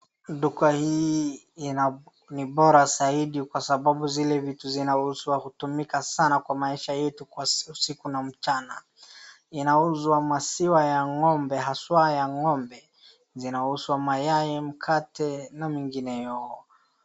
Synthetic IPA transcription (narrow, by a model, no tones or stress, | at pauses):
ɗukahiː | na | niɓɔɾazaiɗikwasaɓaɓuzilɛvituzinahusuwahutumikasanakwamaiʃajɛtukwausikunam̩t͡ʃana | inauzwamasiwajaŋɔmbɛɦaswajaŋɔmbɛ | zinahuswamajajɛm̩kʰatɛnamiŋɡinɛjɔɔ